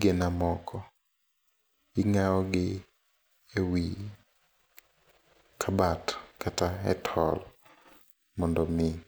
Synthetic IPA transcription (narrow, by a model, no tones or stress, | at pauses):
ɡenamɔkʰɔ | iŋaɔɡɪ | ewi | kʰabatkataɛ̰tʰɔl | mɔndɔmɪ